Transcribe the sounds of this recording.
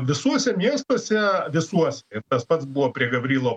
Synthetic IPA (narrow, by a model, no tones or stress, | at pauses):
ʋʲɪsuɔsʲɛmʲiɛst̪uɔsʲɛʋʲɪsuɔsʲɛɪɾt̪ɐspɐt̪sbuʋoːpʲɾʲiɛɡɐbʲɾʲiːlˠoː